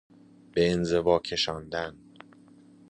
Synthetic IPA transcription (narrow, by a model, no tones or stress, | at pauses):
b̥e̞ːnze̞vɒːcʰe̞ʃɒːnd̪æn